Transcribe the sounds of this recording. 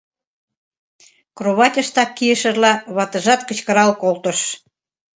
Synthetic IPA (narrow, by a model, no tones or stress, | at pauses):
kroβɑt̪ʲəʃt̪ɑkːijəʃərlɑβɑt̪əʒɑt̪kə̆t͡ɕkəɾɑlkolt̪ə̆ʃ